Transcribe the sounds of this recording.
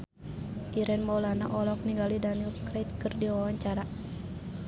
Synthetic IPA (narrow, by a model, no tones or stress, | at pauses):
ʔiɾɛnmɔlanaʔɔlɔk̚niŋɡalidanikɾeit̪̚kɨrdiwawaɲt͡ʃaɾa